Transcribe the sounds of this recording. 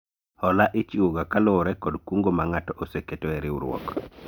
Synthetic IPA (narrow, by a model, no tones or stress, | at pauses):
hɔlaʔit͡ʃiwoɡakaloɾɛkɔdkuŋɡomaŋatɔʔoseketɔɛɾiṵɾwɔ̰k